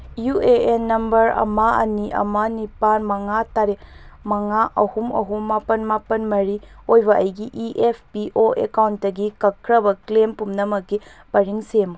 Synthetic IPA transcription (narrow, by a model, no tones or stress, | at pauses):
jueenːɐmbɐɾɐ̰maɐniʔɐ̰manipanmɐŋataɾe | mɐŋaʔɐhumɐɦumːapɐnmapɐnmɐɾiojbɐʔɐjɡiʔiʔepʰpiʔoekawntːɐɡikɐkʰːɾɐbɐklempumnɐmɐkːi | pɐɾiŋsem